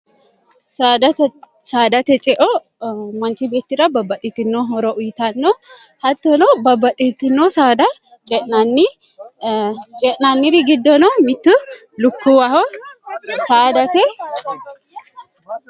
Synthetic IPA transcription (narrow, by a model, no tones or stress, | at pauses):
sad̪ɐ | saːd̪ɐt̪ɛt͡ʃʼɛʔɔ | mɐnt͡ʃibe̞ːt̪ːɪɾɐbɐbɐt̪ʼːɪt̪ːɪnːoɦɔɾɔʔʊjɪt̪ɐnːohɐt̪ːɔnɔbɐbːɐt̪ʼit̪ːɪnːosaːd̪ɐ | t͡ʃʼɛʔnɐnːi | t͡ʃʼɛʔnanːɪɾɪɡɪd̪ːɔnɔmɪt̪ːʊ | lʊkːuwɐhɔ | saːd̪ɐt̪ɛ